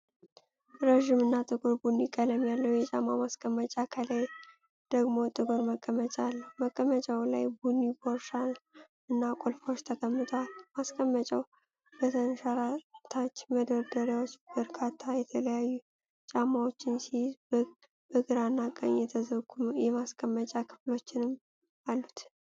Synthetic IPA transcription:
ɾəʒɪmɨnːat̪ʼɨɡuɾbunːikʼələmjalːəwjɛt͡ʃʼamamaskʼəmːət͡ʃʼakʰəlaj | d̪̥əɡmot̪ʼɨɡuɾməkʼːəmət͡ʃʼalːməkʼːəmət͡ʃʼawlajbunːiboɾʃan | ɨnːakʼolfo̞t͡ʃːt̪ʰəkʼəmːɨt̪ʰəwalmaskʼəmːət͡ʃʼaw | bət̪ʰənʃaɾat̪ʰat͡ʃːməd̪əɾd̪əɾawot͡ʃːb̥əɾkʰat̪ʰːajɛt̪ʰələjajːu | t͡ʃʼamːawo̞t͡ʃːɪnsiz | bəɡɨɾanːakʼə̰ɲjɛt̪ʰəzəɡujɛmaskʼəmːət͡ʃʼakʰɨ̥flo̞t͡ʃːɪnɨm | alːut̪

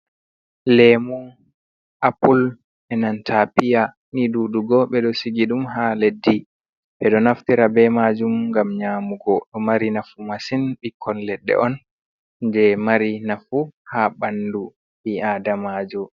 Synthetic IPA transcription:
lɛmun | ʔapul | ɛnantʰapija | niduːduɡɔɓɛɗɔsiɡiɗumɦaledːi | ɓɛɗɔnaftiɾabɛmad͡ʒumŋɡamɲaːmuɡɔɗɔmaɾinafumasinɓikʰːɔnlɛɗːɛ̰ʔɔn | d͡ʒɛmaɾinafuhaɓandu | ɓiadamad͡ʒu

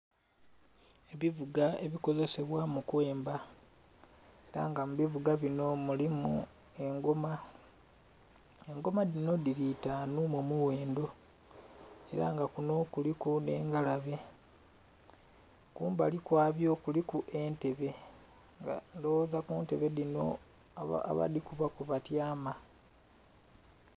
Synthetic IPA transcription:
e̞βivuɡae̞βiko̞zese̞βwamukwe̞ːmba | e̞ɾaŋɡamuβivuɡaβino̞mulimu | e̞ŋɡoma | e̞ŋɡo̞madino̞dilitaːnumomuwe̞ːndo̞ | e̞ɾa̰ŋɡakuno̞kulikune̞̰ːŋɡalaβe̞ | kuːmbalikwaːβjo̞ːkulikuʔe̞nte̞βe̞ | ŋɡa̰ndowzakunte̞βe̞dino̞̰ | a̰βa̰dikuβakuβatjaːma

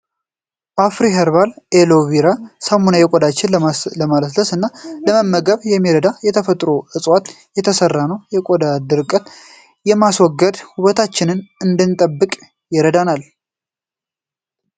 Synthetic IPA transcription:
bafɾiɦəɾβalʔeloβiɾasamonajɛkʼod̪at͡ʃːɪnləmaləsləsɨnːaləməmːəɡəβjɛmːiɾəd̪ajɛt̪ʰəfət̪ʼɾoʔɨsʼwat̪ | jɛt̪ʰəsərːanəwjɛkʼod̪ad̪ɨɾkʼət̪ | jɛmaswɔɡːəd̪huβət̪ʰat͡ʃːɪnɨnɨnd̪ɨnt̪ʼəbːɨkʼ | jɪɾəd̪anal

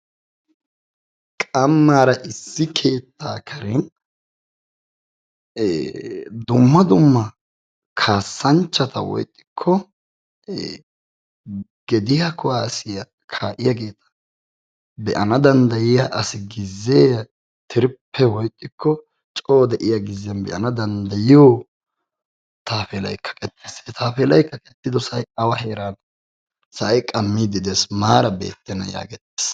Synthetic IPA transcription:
kʼɐmːaːɾɐʔɪsːɪkʰe̞ːt̪ʰːaːkʰɐɾɛn | d̪ʊmːɐd̪ʊmːɐ | kʰaːsːɐnt͡ʃːɐt̪ɐ̰wɔ̰jt̪ʼːɪ̥kʰːɔ | ɡ̥ɛd̪ɪjɐkʰʊaːsɪjɐ | kʰaːʔɪjaɡe̞ːt̪ɐ̥ | bɛʔɐnɐd̪ɐnd̪ɐjɪjaʔɐsɪɡɪzːeːjɐ | t̪ʰɪɾɪpʰːɛwɔjkʼːɪkʰːɔ | t͡ʃʼoːd̪ɛʔɪjaɡɪzɪɐnbɛ̰ʔɐnɐd̪ɐnd̪ɐjɪjoː | t̪aːfɛlɐjkʰːɐ̥kʼɛt̪ːiset̪ʰaːfɛːlɐjkːɐkʼɛt̪ːɪd̪ɔsɐjɐwɐheːɾan | sɐʔɐjkʼɐmːiːd̪ɪd̪esmaːɾɐbḛːt̪ːɛnɐ̰ja̰ːɡɛt̪ːe̥ːs

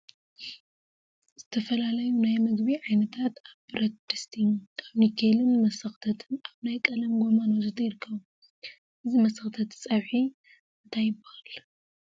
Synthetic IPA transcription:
z̥ɨt̪ʰɐfɐlalɐjunajmɨɡbiʕajnɐt̪ʰat̪aβbɨɾɐt̪̚d̪ɨst̪ʰiaβnikʰelɨnmɐsɐxt̪ʰɐt̪ʰɨnaβnajkʼɐlɐmɡo̞manot̪ɨt̪ʰɐjɪɾkʰːɐβu | ʔɨzimɐsɐxt̪ʰɐt̪sʼɐβħi | ɨnt̪ʰajɪbɨhal

